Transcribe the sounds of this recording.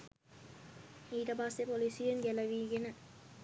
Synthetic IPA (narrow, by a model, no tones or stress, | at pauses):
iːʈɐbaːsepolisijeŋɡɛlɐʋiɡenə